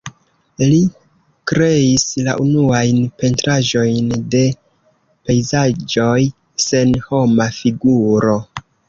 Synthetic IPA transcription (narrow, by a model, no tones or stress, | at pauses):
li | kɾe̞isla̰ʔunuajnpe̞ntɾaʒo̞jnde̞ | pe̞jzad͡ʒo̞j | se̞nho̞mafiɡuɾo̞